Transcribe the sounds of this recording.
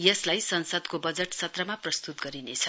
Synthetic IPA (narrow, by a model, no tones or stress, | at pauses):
jʌslajsʌnsʌd̪kobʌd͡zeʈsʰʌt̪rʌmaprʌst̪ut̪̚ɡʌɾinet͡sʰʌ